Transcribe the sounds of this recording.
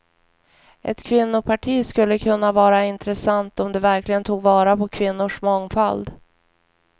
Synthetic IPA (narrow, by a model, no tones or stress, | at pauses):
ʔɛ̰t̪kʰvɪnːʊpʰaʈʰiːskɵlːəkʰɵnːavɑːɾaɪnt̪ɾɛsant̪ɔmd̪ɛvæɾklɪɡənt̪ʰuːɡvɑːɾapʰɔkʰvɪnːʊʂmɔŋfald̪